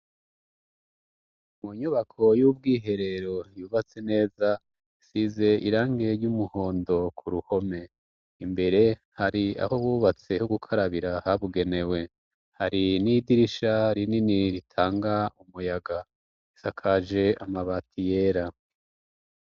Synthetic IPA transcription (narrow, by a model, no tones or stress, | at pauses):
muɲuβakʰo̞jubɡiːɦe̞ɾe̞ɾo̞juːβat͡se̞ne̞ːza | isize̞ʔiɾaːŋɡe̞ɾɟumuho̞ːndo̞kʰuɾuho̞me̞ | imbe̞ɾe̞ | haɾia̰ho̞βuːβat͡se̞huɡukʰaɾaβiɾahaβuɡe̞ne̞we̞ | haɾinidiɾiʃaɾininiɾitʰaːŋɡaumujaɡa | isakʰaʒe̞amaβatʰije̞ːɾa